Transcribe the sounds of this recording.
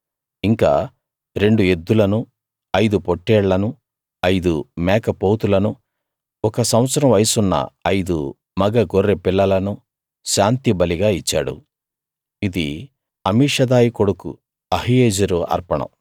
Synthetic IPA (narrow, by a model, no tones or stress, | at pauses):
iŋka̰ː | ɾe̞ɳɖue̞d̪ːulɐnu | ɐjd̪upoʈːɛːɽlɐnu | ɐjd̪umɛːkɐpoːt̪ulɐnu | ɔkɐsɐwɐt̪sɐɾɐmʋɐjsunːɐ̰ɐjd̪ṵ | mɐɡɐɡoɾːepilːɐlɐnu | ʃaːnt̪ibɐliɡaːit͡ʃːa̰ːɽṵ | id̪ḭ | ɐmiːʂɐd̪aːjiko̞ɽukṵ | ɐɦijeːd͡ʒɐɾuɐ̰ɾpɐɳɐ̰m